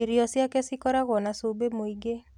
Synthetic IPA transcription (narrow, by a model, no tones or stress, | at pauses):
iɾiɔsjakɛsikɔɾaɣɔnasobemoiɡe